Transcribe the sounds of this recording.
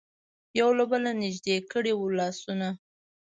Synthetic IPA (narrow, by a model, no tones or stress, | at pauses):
jawlabəlanɪʒd̪ekəɽewlɑsuna